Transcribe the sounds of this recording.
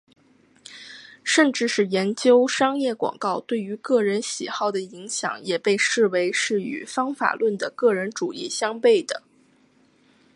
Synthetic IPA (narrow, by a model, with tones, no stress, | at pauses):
ʂə˥˧nʈ͡ʂɻ̩˥˧ʂɻ̩˥˩jɛ˧˥nt͡ɕjo˥ʊʂɑ˥ŋjɛ˥˩kwɑ̰˨˩ŋkɑ˥˧ʊt̪we˥˩ɪy˧˥kɤ˥˩ɻə˧˥nɕḭ˨˩xɑ˥˩ʊd̪ə˩i˧˥ŋɕjɑ̰˧˩ŋjɛ˨˩pe˥˧ɪʂɻ̩˥˩we˧˥ɪʂɻ̩˥˩y̰˨˩fɑ˥ŋfa̰˨˩lwə˥˩nd̪ə˩kɤ˥˩ɻə˧˥nʈ͡ʂu˨˩i˥˩ɕjɑ˥ŋpe˥˩ɪd̪ə˩